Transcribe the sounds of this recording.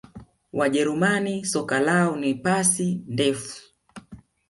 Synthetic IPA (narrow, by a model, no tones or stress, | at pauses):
waʄɛɾumanisɔkalaɔnipasindɛfu̥